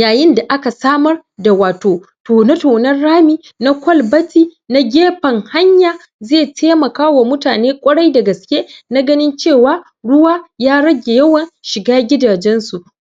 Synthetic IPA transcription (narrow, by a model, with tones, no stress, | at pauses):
jaː˨jɪ˦nda˨ʔa˦ka˨saː˦mɐ˦r | da˨waː˨toː˨ | toː˨na˦toː˨nɐ˦rːaː˦miː˦ | na˦kʷɔ˦lbɐ˦tʰiː˦ | na˦ɡʲeː˦ɸɐ˨ŋha˦ɲjaː˨ | zeː˦˨tʰeː˦mɐ˨kaː˦wa˨mʊ˦taː˨neː˦kʷʼɐ˦ɽɐ˦jdɐ˨ɡɐ˨skʲeː˦na˦ɡɐ˦nɪ˦nt͡ʃeː˦˨waː˦ | ɽʊ˦waː˦jaː˦ɽɐ˦ɡʲe˨jɐ˦wɐ˨nʃɪ˨ɡaː˦ɡʲɪ˦daː˨d͡ʒɛ˦nsu˨